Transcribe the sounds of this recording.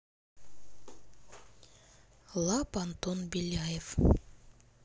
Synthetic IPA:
lˠɑpant̪onbelʲajef

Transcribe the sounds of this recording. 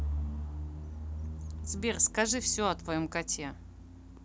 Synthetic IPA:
zbʲerskɐʐɨfsʲoɐt̪vɐjomkɐtʲe

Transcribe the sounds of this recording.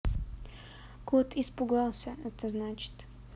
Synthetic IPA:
kot̪ʰispʊɡalˠsʲəɛt̪əznat͡ʃɪ̥t̪

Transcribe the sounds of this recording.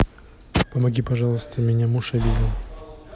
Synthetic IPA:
pəmɐɡʲipɐʐɑlˠəst̪əmʲɪnʲamuʂɐvʲid̪ʲɪn

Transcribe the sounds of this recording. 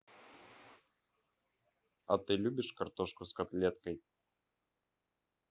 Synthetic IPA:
ɐt̪ɨlʲubʲiʂkart̪ɔʂkuskat̪lʲɛt̪kɐj

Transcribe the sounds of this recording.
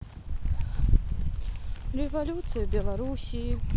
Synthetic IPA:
rɛvalʲut̪sɨjubʲɛlˠaɾusʲi

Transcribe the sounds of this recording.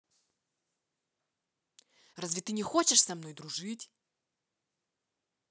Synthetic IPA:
razʲvʲɪt̪ɨnʲɪxot͡ɕɪʂsɐmno̞jd̪ɾʊʐɨtʲ

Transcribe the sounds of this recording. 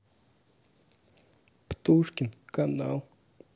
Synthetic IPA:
pt̪uʂkʲɪnkanalˠ

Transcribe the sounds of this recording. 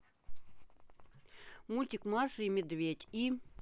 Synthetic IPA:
mulʲtʲikmɑʂɨimʲed̪vʲet̪ʲi

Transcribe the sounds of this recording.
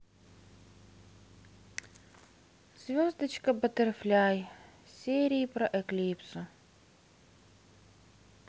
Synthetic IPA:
z̥ʲvʲozd̪ət͡ɕkəbət̪ɛrflʲajsʲeɾʲiːpɾɐʔɛklʲipsʊ

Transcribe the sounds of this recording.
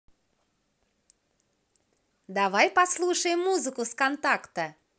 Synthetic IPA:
d̪avajpɐslˠuʂəjɪmːuzɨkʊskɐnt̪akt̪ə

